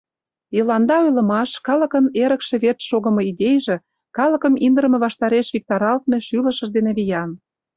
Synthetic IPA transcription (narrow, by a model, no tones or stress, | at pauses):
jəlɑnd̪ɑojlə̆mɑʃkɑlɤ̆kə̆neɾə̆kʃĕβet̪ʃoɣə̆mɤ̆id̪ʲejʒĕ | kɑlə̆kə̆mind̪ə̆ɾmĕβɑʃt̪ɑɾeʃβik̚t̪ɑɾɑlt̪̚meʃylə̆ʃə̆ʒd̪eneβʲijɑn